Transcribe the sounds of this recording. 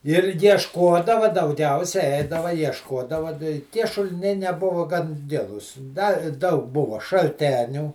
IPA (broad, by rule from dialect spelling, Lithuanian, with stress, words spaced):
ɪr jiɛʃˈkoːdɐʋɐ dɐʊˈɡʲɛʊsʲɛ ˈɛɪdɐʋɐ jiɛʃˈkoːdɐʋɐ dɐ ɪ tʲiɛ ʃʊlʲɪˈnʲɛɪ nʲɛˈbʊʋɐ ɡɐn ˈɡʲɪlˠuːs dɐ ˈdɐʊk ˈbʊʋɐ ʃɐlʲˈtʲæːnʲuː